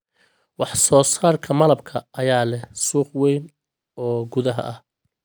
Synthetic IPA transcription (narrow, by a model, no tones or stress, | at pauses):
wɑħsɔːsaːrkʰɐmɐlɐbkʰɐʔɐjaːlɛsuːχwɛjn | ɔːɡʊðɐɦɐ̰ʔɐh